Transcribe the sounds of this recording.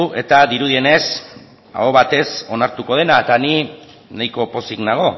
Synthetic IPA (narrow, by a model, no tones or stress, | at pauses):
uʔe̞t̪aðiɾuðie̞ne̞s | a̰oβat̪e̞so̞naɾt̪uko̞ð̞e̞naet̪ani | najko̞po̞siknaɣ̞o̞